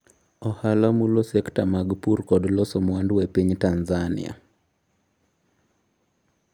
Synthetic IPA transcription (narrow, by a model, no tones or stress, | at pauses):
ɔhalɔmulosɛktamaɡpuɾkɔdlɔsomwandwepiɲtanzanɪ̰a̰